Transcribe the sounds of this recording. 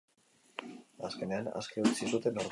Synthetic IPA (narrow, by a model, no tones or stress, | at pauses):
aske̞ne̞ana̰skeut͡sisut̪e̞noɾ